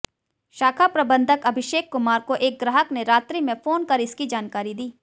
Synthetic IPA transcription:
ʃaːkʰapɾɐbə̃nd̪ʱəkɐbʱɪʃeːkːʊmaːɾkoʔeːk̚ɡɾaːɦəkneɾaːt̪ɾimẽfoːnkɐɾɪskid͡ʒaːnkaːɾid̪iː

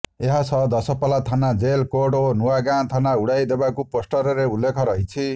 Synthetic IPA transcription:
eɦasʌd̪ʌsʌpʌlat̪ʰanad͡zelkoɽonuwaɡãnt̪ʰanauɽajd̪ebakuposʈʌɾeɾeulːekʰʌɾʌɦjt͡sʰi

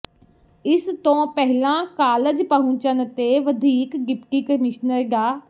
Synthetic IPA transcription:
ɪst̪õːpɛɦlãːkaːləd͡ʒpəɦũːt͡ʃənt̪eːʋəd̪ʱiːkɡɪpʈiːkəmɪʃnəɾɡaː

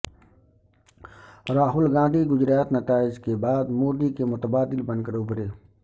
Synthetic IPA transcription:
ɾaːɦʊlɡãːd̪ʱiɡʊd͡ʒɾaːt̪nɐt̪aːɪd͡ʒkebaːd̪moːɾd̪ikemʊt̪əbaːd̪ɪlbə̃nkəɾʊbɾeː

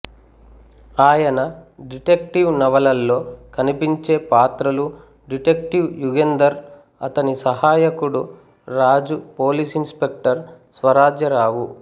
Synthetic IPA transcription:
aːjɐnɐɖiʈek̚ʈiʋnɐʋɐlɐlːo̞ːkɐnipiɲt͡ʃeːpaːt̪ɾɐlu | ɖiʈek̚ʈiwjuɡend̪ɐɾ | ɐt̪ɐnisɐɦaːjɐkuɽu | ɾaːd͡ʒupoːliːsinspe̞k̚ʈɐɾsʋɐɾaːd͡ʒjɐɾaːwu

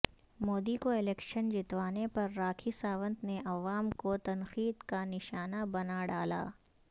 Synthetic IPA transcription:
moːd̪ikoɪlɛːkʃənd͡ʒɪt̪ʋaːnepɐɾːaːkʰisaːʋə̃nt̪neʔɐʋaːmkot̪ɐnxiːd̪kanɪʃaːnabɐnaɖaːla̰ː

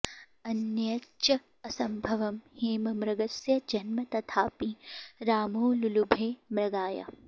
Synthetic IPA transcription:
ɐnjɐtːʃɐː | sɐmbʱɐʋɐmheːmɐmɾɐɡɐsjɐd͡ʒɐnmɐt̪ɐt̪ʰaːpiɾaːmoːlulubʱeːmɾɐɡaːjɐ̰

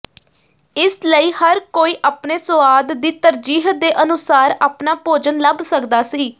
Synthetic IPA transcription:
ɪsləiːhəɾkoːiːʔaːpneːsʊʋaːd̪ːiːt̪əɾd͡ʒiːɦəd̪eːʔənʊsaːɾaːpnaːpoːd͡ʒənləbsəkd̪aːsiː

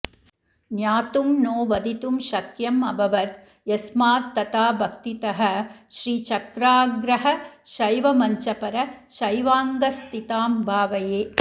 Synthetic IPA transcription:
njaːt̪umnoːʋɐd̪it̪umʃɐkjɐmɐbʱɐʋɐt̪ | jɐsmaːt̪ːɐt̪aːbʱɐkt̪it̪ɐɦɐ̆ʃɾiːt͡ʃɐkɾaːɡɾɐɦɐʃɐjʋɐmɐɲt͡ʃɐpɐɾɐʃɐjʋaːŋɡɐst̪it̪aːmbʱaːʋɐjeː

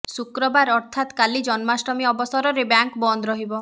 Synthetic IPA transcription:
sukɾɔbaɾɔɾt̪ʰat̪kalid͡ʒɔnmasɾɔmiɔbɔsɔɾɔɾebjaŋkbɔnd̪ɾɔɦibɔ

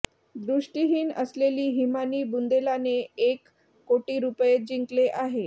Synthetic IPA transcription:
d̪ɾuʂʈiɦiːnə̰sleliːɦimaniːbund̪elaneekː | oʈiːɾupjed͡ʑiŋkleʔaɦe

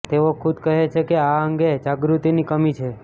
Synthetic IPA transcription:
t̪eʋokʰud̪kəɦet͡ʃʰekeaəŋɡed͡ʒaɡɾut̪inikəmit͡ʃʰe

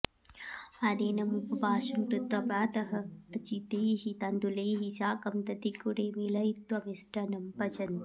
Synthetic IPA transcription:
ɐd̪eːnɐmupɐbaːʃɐmɾut̪ʋɐpɾaːt̪ɐɦɐɐt͡ʃit̪eːɦit̪ɐnd̪uleːɦisaːkɐmt̪ɐt̪ikuɽeːmilɐjit̪ʋɐmisʈɐnɐmpɐd͡ʒɐn

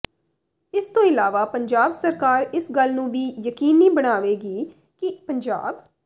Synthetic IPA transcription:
ɪst̪õːɪlaːʋaːpəɲd͡ʒaːbsəɾkaːɾɪsɡəlnũːʋiːjəkiːniːbəɽ̃aːʋeːɡiː | kɪpəɲd͡ʒa̰ːb

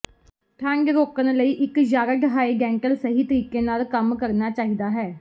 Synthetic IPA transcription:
ʈʰɛ̃ːŋɡɾoːkənləiːʔɪkd͡ʒaːɡəɖɦaːeːɡɛ̃ːŋɡəlsəɦiːt̪əɾiːkeːnaːlkəmkəɾnaːt͡ʃaːɦiːd̪aːɦɛː

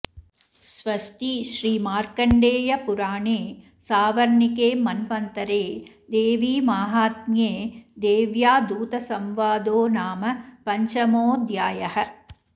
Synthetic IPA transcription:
sʋɐst̪iʃɾiːmaːɾkɐɳɖeːjɐpuɾaːɳeː | saːʋɐɾɳikeːmɐnpɐnt̪ɐɾeː | d̪eːʋiːmaːɦaːt̪̚mjeːd̪eːʋjaːd̪uːt̪ɐsɐmʋaːd̪oːnaːmɐpɐɲt͡ʃɐmoːd̪jaːjɐhɐ̆

